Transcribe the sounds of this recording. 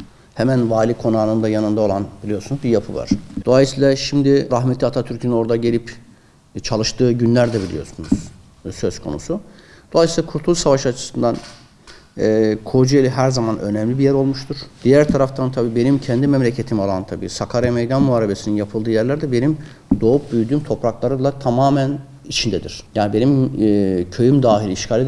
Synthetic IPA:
hɛmænvaːlʲikʰo̞naːnɯnd̪ajanɯnd̪ao̞lˠanbilʲijo̞ɾsunuzbijapʰɯva̰ɾ̥d̪o̞lˠajisiːlʲˠaʃimd̪iɾaɦmɛt̪lːʲiat̪ʰat̪ʰyɾcʰinno̞ɾd̪aɟe̞lʲip | t͡ʃʰalˠɯʃt̪ʰɯːɟynlʲæɾd̪ɛbilʲḭjo̞̰sunuz̥ | søskʰo̞̰nṵsu | d̪̥o̞lˠajsiːlʲˠakʰuɾt̪ʰulˠusavaʃat͡ʃʰɯ̥sɯnd̪an | kʰo̞d͡ʒuelʲiɦæɾzamanʔønɛmlʲibijɛɾo̞lˠmuʃt̪ʰuɾ̥d̪̥ijæɾt̪ʰaɾaft̪ʰant̪ʰabiːbe̞nimcʰɛnd̪imɛmlʲecʰe̞t̪ʰimalˠant̪ʰabḭːsakʰaɾamejd̪anmuaːɾebe̞sininjapʰɯlˠd̪ɯːjæɾlʲæɾd̪ɛbe̞nim | d̪o̞up̚byjyd̪yːmt̪ʰo̞pɾaklˠaɾɯmlˠat̪ʰamaːmæn | it͡ʃʰind̪ɛd̪ḭɾ̥jaːnibe̞nimː | cʰø̞jymd̪aːɦilʲiiʃcʰaːlʲid̪

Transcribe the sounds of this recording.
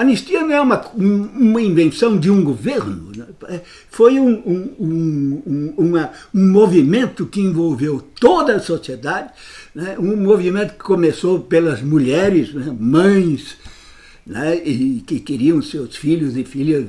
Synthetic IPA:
ɐnest̪iɐnɐ̃w̃ɛũmɐũũmɐĩvẽsɐ̃w̃d͡ʒ̪ɪũɡoveɾnʊnɛɛ | fojũũũũũmɐ | ũmovimẽnt̪ʊkɪẽvowvewt̪od̪ɐɐsosied̪ad͡ʒɪnɛũmovimẽnt̪ʊ̥kɪ̥komesopelɐzmuʎɛɾɪsnɛmɐ̃j̃s | nɛɪkɪkɪɾiɐ̃w̃sewsfiʎʊzɪfiʎɐs

